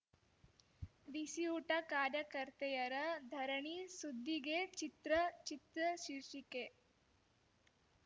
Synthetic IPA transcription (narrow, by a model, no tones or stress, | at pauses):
ʋisiuʈɐkaːɾjɐkɐɾt̪ejɐɾɐd̪ʱɐɾɐɳisud̪ʱːiɡet͡ʃit̪ɾɐt͡ʃit̪ɾɐʃiɾʂike